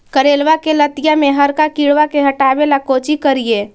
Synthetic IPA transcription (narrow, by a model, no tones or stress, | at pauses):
kəɾeːlwakelət̪ɪjamẽɦɐɾkakiːɽʋakeɦɐʈaːbelakoːt͡ʃikəɾijeː